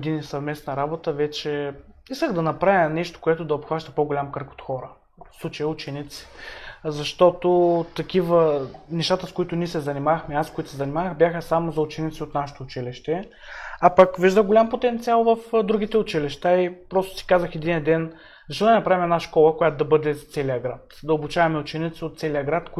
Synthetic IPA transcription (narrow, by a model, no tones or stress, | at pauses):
d̪inisɐvmɛsnɐɾabot̪əvɛt͡ʃɛiskəɣd̪ɐnɐpɾavʲənɛʃt̪o̥koɛt̪ʊd̪ɐopxvaʃt̪ə̥poɡolʲamkəɾko̥t̪xɔɾə | fslˠut͡ʃɐjəʊt͡ʃɛnit̪si̥zɐʃt̪ɔt̪ot̪ɐkʲivənɛʃt̪at̪əskoit̪ʊniɛsɛzɐnimaxmɛaskoit̪ʊ̥sɛzɐnimavəxbjaxəsamozɐʊt͡ʃɛnit̪siot̪naʃe̥t̪oːt͡ʃiliʃt̪ɛ | apəkviʒd̪əɡolʲampot̪ɛnt̪sialˠvɐfd̪ɾuɡ̟it̪ɛʊt͡ʃiliʃt̪aipɾɔst̪ʊ̥si̥kazəxɛd̪iniɐd̪ɛn | zɐʃlˠd̪ɐnɐpɾavimɛd̪naʃkɔlˠəkojat̪od̪ɐbɤd̪ɛst̪sɛliəɡɾat̪d̪ɐobut͡ʃavɐmɛʊt͡ʃɛnit̪siot̪t̪sɛlijəɡɾat̪ko